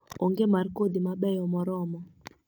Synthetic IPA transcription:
oŋɡemarkod̪imaɓɛjɔmɔɾɔmɔ

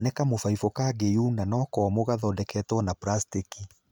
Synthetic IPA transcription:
nekamofaifɔkaɡejuːnanɔːkɔmoɣaðɔdɛkɛːtɔnapɾastiki

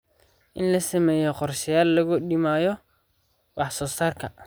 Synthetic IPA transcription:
ʔɪnlɐsɐmɛːjɔqɔrʃɪjaːlːɐɣʊɗɪmaːjɔ | wɑħsɔːsaːrkʰɐ

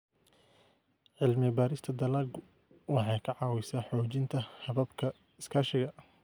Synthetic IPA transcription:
ʕɪlmɪbaːɾɪst̪ʰɐd̪ɐlaːɡ | wɑħɑjkʰɐʕɑːwɛjsaːħɔːt͡ʃɪnt̪ʰɐhɐβɐbkʰɐ | ɪskʰaːʃɪɣɐ

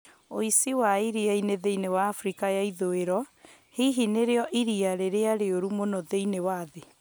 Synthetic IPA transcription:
oisiwaiɾiaineðeinewaːfɾikajaiðoeɾɔ | hiɦineɾeɔʔiɾiaɾeɾeaɾeoɾumonɔðeinewaðe

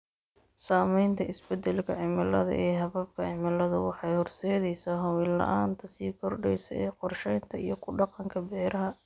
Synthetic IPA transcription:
saːmɛjnt̪ʰɐʔɪsbɛd̪ɛlkʰɐʕɪmɐlɐðɐ̰ʔɛːɦɐβɐb̚kʰɐʕɪmɐlɐðɐ̰wɑħɑjhɔrsɛːðɛjsɐɦɐwɪlːɐ̰ʔaːnt̪ʰɐsiːkʰɔrɖɛjsɐ̰ɛːqɔrʃɛjnt̪ʰɐijɞkʰʊɖɑqɑŋkʰɐbɛːɾɐɦɐ

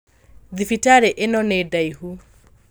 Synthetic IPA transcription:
ðifitaɾɛʔɛnɔnɛdaihu

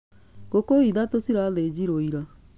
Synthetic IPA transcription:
ɡ̥okoiðatosiɾaðed͡ʑiɾoiɾa

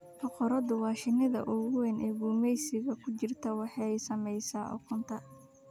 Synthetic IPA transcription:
hɐqɔɾɐd̪ʊwɑːʃɪnɪðɐ̰ʔʊɣʊwɛnʔɛːɡuːmɛjsɪɣɐkʰʊt͡ʃɪrt̪ʰɐwɑħɑjsɐmɛjsaːʔɔ̰kʰʊnt̪ʰɐ

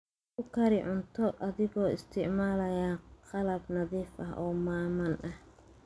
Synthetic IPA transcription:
kʰʊkʰɐɾɪʕʊnt̪ʰɔʔɐðɪɣɔːɪst̪ʰɪʕmaːlɐjaːqɑlɐbnɐðiːfʔɐɦʔɔːmaːmɐnʔɐh

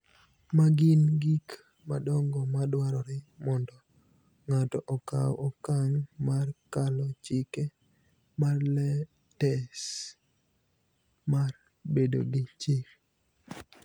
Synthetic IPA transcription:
maɡinɡik | madɔŋɡɔmadwaɾɔɾɪmɔndɔ | ŋatɔʔɔka̰wʔɔkaŋmarkalɔt͡ʃɪke | marlɛ | tɛs | mar | bedo̰ɡɪt͡ʃɪk̚

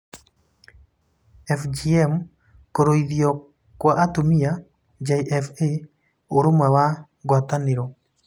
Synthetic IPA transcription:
ɛfd͡ʒiɛm | koɾoiðjɔ | kwaʔat̪umija | d͡ʒajʔɛfe | oɾumawa | ɡwat̪anɪɾo

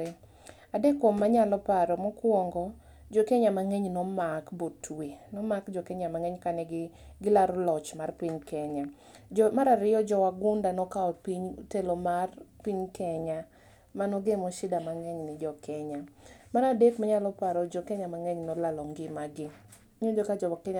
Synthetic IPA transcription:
adekːwomːaɲalɔpaɾɔmɔkwɔŋɡɔ | d͡ʒɔkɛɲamaŋɛɲnɔmakbotwenɔmakd͡ʒɔkɛɲamaŋɛɲkanɛɡɪɡɪlaɾɔlɔt͡ʃmarpiɲkɛɲa | d͡ʒɔmaɾaɾɪjɔd͡ʒɔwaɡʊndanɔkaɔpiɲtelomarpiɲkɛɲa | manɔɡemoʃɪdamaŋɛɲnɪd͡ʒɔkʰɛɲamaɾadekmaɲalɔpaɾɔd͡ʒɔkɛɲamaŋɛɲnɔlalɔŋɡɪmaɡɪ | ɲud͡ʒɔkad͡ʒɔakɛɲa

